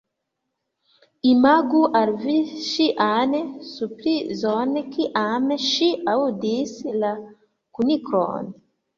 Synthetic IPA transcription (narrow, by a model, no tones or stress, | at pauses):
imaɡuʔaɾviʃiʔanesupɾizonekiʔameʃiaud̪isila | kunikɾɔ̰ne